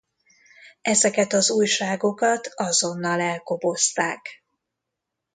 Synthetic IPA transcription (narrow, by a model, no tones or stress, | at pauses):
ɛzɛkɛt̪ɒzuːjʃaːɡo̞kɒt̪ɒzo̞nːɒlɛlko̞bo̞st̪aːk